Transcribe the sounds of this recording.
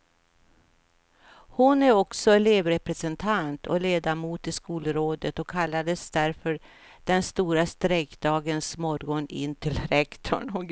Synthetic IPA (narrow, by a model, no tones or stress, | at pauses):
hʊnæɾɔksɔɛleːvɾɛpɾɛsɛnt̪ʰant̪ʰɔ̰leːd̪amuːt̪ɪskuːlɾoːd̪ət̪ɔkʰːalːad̪əsd̪æɾfœɾ | d̪̥ɛnst̪uːɾast̪ɾɛkd̪ɑːɡənsmɔɾɡɔnɪ̰nːt̪ʰɪlɾɛkt̪ʰɔ̰ɳɔ